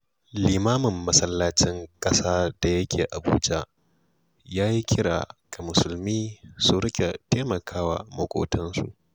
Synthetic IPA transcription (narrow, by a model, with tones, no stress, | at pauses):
liː˨maː˦mɪ˨mːɐ˦sɐ˦lːaː˦t͡ʃɪ˦ŋkʼɐ˦saː˦d̥a˨jɐ˦kʲeː˨ʔa˨bṵː˦d͡ʒa˦ | jaː˦ji˦kʲɪ˦ɽa̰ː˨ka˨mʊ˨sʊ˨lmiː˦su˨ɾɪ˦kʲʼe˨teː˦mɐ˨kʰaː˦wa̰˨mo˨kʷʼo̰ː˦˨tɐ˦nsṵ˨ʔ